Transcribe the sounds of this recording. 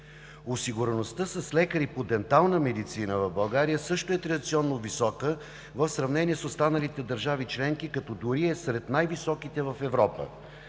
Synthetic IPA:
osiɡuɾɛnost̪əsəslɛkəɾipod̪ɛnt̪alˠnəmɛd̪it̪sinəvɐvbɐlˠɡaɾijəsɤʃt̪oɛt̪ɾɐd̪it̪siɔnːovisɔkə | vəfsɾɐvnɛniɛsost̪anəlit̪ɛd̪əɾʒavit͡ʃlɛŋkikɐt̪ɔd̪uɾiɛsɾɛt̪najvisɔkit̪ɛvɐfɛvɾɔpə̰

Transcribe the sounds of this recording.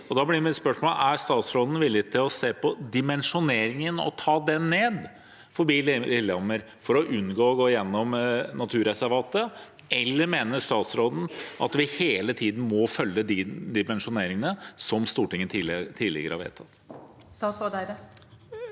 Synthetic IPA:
ɔd̪ɑːblɪɾmɛt̪spœʂmolæɾst̪ɑːt̪sɾoːd̪n̩ʋɪlːɪt̪ʰɪlɔseːpʰɔd̪ɪmɛnʂʊneːɾɪŋənɔ̰t̪ʰɑːd̪ɛnːeːd̪ | fɔɾbiːlɪlɔməɾ | fɔɾɔʔʉnɡoːɔɡoːjɛnːɔmnɑt̪ʰʉːɾɛsæɾʋɑːt̪ə | ɛlːəɾmeːnəʂt̪ɑːt̪sɾoːd̪n̩ʔɑ̰t̪ʋɪheːlət̪ʰiːd̪n̩mɔfœlːəd̪ɪd̪ɪmɛnʂʊneːɾɪŋənəsɔmst̪uːʈɪŋːənt̪ʰit̪ʰiːlɪ̰ɡəɾəhɑ̰ɾʋḛːt̪ʰɑt̪ | st̪ɑsod̪d̪

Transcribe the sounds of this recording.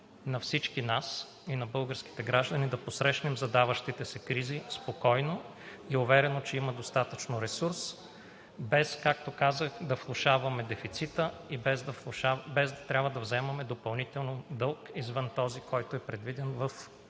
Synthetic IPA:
nɐfsit͡ʃkinas | inɐbɤlˠɡəɾski̥t̪ɛɡɾaʒd̪ɐnid̪ɐposɾɛʃnɛmzɐd̪avəʃt̪it̪ɛsɛkɾizispokɔjno | iʊvɛɾɛnot͡ʃɛimɐd̪ost̪at̪ət͡ʃnoɾɛsuɾs | bɛskak̚t̪okazəxd̪ɐflˠʊʃavɐmɛd̪ɛfit̪sit̪əibɛzd̪ɐfˠʃabɛzd̪ɐt̪ɾʲabvəd̪ɐvzɛmɐmɛd̪opɐlˠnit̪ɛlˠnod̪ɤlˠkizvɤnt̪ɔzikʰɔjt̪oɛpɾɛd̪vid̪ɛnvəf

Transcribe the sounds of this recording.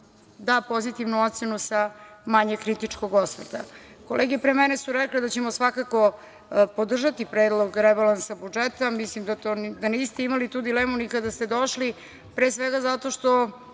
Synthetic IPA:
d̪apo̞zit̪iʋnuot̪t̪senusamaɲekɾit̪it͡ʂko̞ɡosʋr̩t̪a̰ | ko̞leːɡepɾemɛne̞suɾekled̪at͡ɕemosʋakako̞ | po̞d̪r̩ʒat̪ipɾeːd̪lˠo̞ɡɾebalansabud͡ʒet̪amislimd̪at̪ond̪aniːst̪e̞imalit̪uːd̪ileːmunikad̪ast̪e̞d̪o̞ʃli | pɾeːsʋeɡazat̪o̞ʃt̪o̞

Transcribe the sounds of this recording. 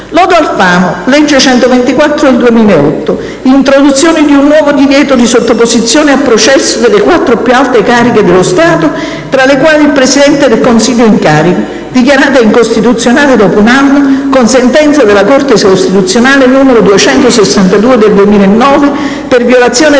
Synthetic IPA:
lɔːd̪oalfaːmolɛd͡ʒːet͡ʃɛnt̪ovent̪ikwat̪ːɾod̪eld̪uemiːlaeɔt̪ːo | int̪ɾod̪ut̪sːjoːnid̪iunːwɔːvod̪ivjɛːt̪od̪isot̪ːopozit̪sːjoːneapːɾot͡ʃɛsːod̪elːekwat̪ːɾopjualt̪ekaːɾiked̪elːost̪aːt̪o | t̪ɾalːekwaːliilpɾesid̪ɛnt̪ed̪elkonsiʎːoiŋkaːɾiko | d̪ikjaɾaːt̪̬eiŋkost̪it̪ut̪sːjonaːled̪ɔːpounanːokonsent̪ɛnt̪sad̪elakort̪eskost̪it̪ut̪sːjonaːlenuːmeɾod̪uet͡ʃɛnt̪osesːant̪ad̪uːed̪eld̪uemiːlaenːɔːve | pervjolat̪sːjoːne

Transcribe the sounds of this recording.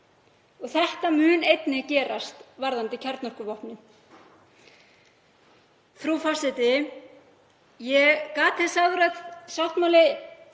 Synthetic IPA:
ɔɣθɛht̪amʏːnejt̪nɪcɛːɾast̪vaɾðant̪ɪcʰɛɾt̪nɔr̥kʏvɔhpnɪ | θɾufasɛt̪ɪ | jɛkaːt̪ʰɛsaɣðʏɾat̪saht̪mawlɪ

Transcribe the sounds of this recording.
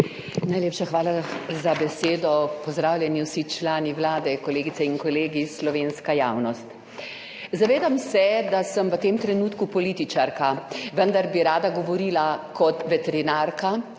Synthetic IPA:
najlʲeːpʃaxʋaːlazabɛseːd̪ɔpɔzd̪ɾaːwlʲjɛniwsit͡ʃlaːniwlaːd̪ɛkɔleːɡit̪sɛiŋkɔleːɡislɔʋeːnskajaːwnɔst̪ | zaʋeːd̪amsɛd̪asəmʋət̪emt̪ɾɛnuːt̪kupɔlit̪it͡ʃaɾkaʋənd̪aɾbiɾaːd̪aɡɔʋɔɾiːlakɔt̪ʋɛt̪ɛɾinaɾka

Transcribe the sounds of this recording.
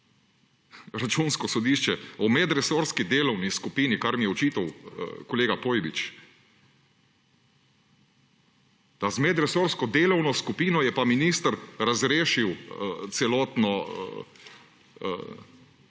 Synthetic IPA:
ɾat͡ʃunskɔsɔd̪iʃt͡ʃɛɔmɛd̪ɾɛsoɾskid̪eːlɔwniskupiːnikaɾmijɛɔt͡ʃiːt̪ɐwkɔleːɡapoːjbit͡ʃ | d̪azmɛd̪ɾɛsoɾskɔd̪eːlɔwnɔskupiːnɔjɛpaminist̪əɾɾazɾeːʃiwt̪sɛlɔːt̪nɔ̰

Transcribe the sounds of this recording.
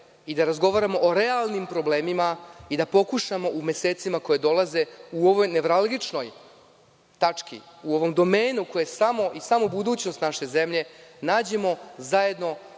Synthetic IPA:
id̪aɾazɡo̞ʋaɾamo̞ʔoɾealˠnimpɾo̞ble̞ːmimaid̪apo̞kuʃamo̞ʔume̞seːt̪simako̞jed̪o̞lˠaze̞uo̞ʋo̞jne̞ʋɾalˠɡit͡ʂno̞j | t̪at͡ʂkḭuo̞ʋomd̪o̞meːnukojesamo̞ʔisamobud̪uːt͡ɕnost̪naʃe̞ze̞mʎe̞naːd͡ʑe̞mo̞zaje̞d̪no̞

